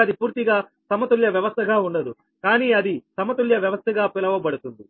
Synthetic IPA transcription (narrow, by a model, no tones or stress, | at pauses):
ɐd̪ipuːɾt̪iɡaː | sɐmɐt̪uljɐʋjɐʋɐst̪ʰɐɡaːuɳɖɐd̪u | kaːniːɐd̪isɐmɐt̪uljɐʋjɐʋɐst̪ʰɐɡaːpilɐʋɐbɐɽut̪und̪i